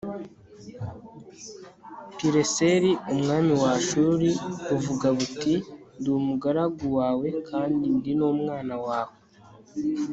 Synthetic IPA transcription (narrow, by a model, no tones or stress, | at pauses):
piɾe̞se̞ɾiumŋaːmiwaʃuːɾiuvuɡaβutindumuɡaɾaɡuwaːwe̞kʰaːndindinomŋaːnawaːwe